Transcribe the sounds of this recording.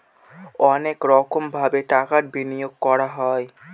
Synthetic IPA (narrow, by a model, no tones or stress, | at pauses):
ɔnekɾɔkʰombʱabeʈakaɾbinijoɡ̚kɔɾaɦɔe